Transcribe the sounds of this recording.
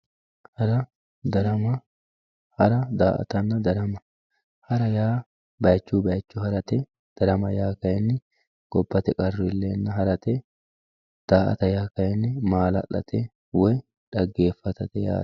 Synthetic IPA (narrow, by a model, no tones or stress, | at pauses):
hɐɾɐ | d̪ɐɾɐmɐ | hɐɾɐd̪a̰ːʔɐ̰t̪ɐnːɐd̪ɐɾɐmɐ | hɐɾɐjaː | bɐjt͡ʃːuːbɐjt͡ʃːʊhɐɾɐt̪ɛ | d̪̥ɐɾɐmɐjaːkɐjɛnːɪ | ɡ̥ɔbːɐt̪ɛkʼɐrːɪɪlːeːnːɐɦɐɾɐt̪ɛ | d̪̥aːʔɐ̰t̪ɐjaːkɐjɛnːɪmaːlɐ̰lːɐ̰t̪ɛ | wɔj | ᶑɐɡːe̞ːfːɐt̪ɐt̪ɛja̰ː